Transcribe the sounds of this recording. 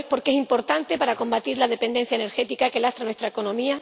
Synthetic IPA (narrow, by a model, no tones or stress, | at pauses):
po̞ɾke̞simpo̞ɾt̪ant̪e̞paɾako̞mbat̪iɾlaðe̞pe̞nd̪e̞n̟θjaene̞ɾxe̞t̪ikakelast̪ɾanwest̪ɾaeko̞nõ̞mia